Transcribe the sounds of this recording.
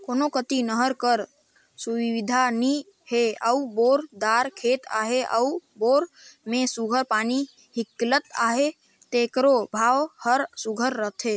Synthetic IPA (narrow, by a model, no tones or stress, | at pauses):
koːnokət̪inəɦəɾkəɾ | suwiʋid̪ʱani | heəuboɾd̪aɾkʰet̪a̰ɦeʔə̰uboːɾmẽsuɡʱəɾpani | hiklət̪a̰ɦe | t̪ekɾobʱaːwhəɾsuɡʱəɾːəɦt̪ʰɦe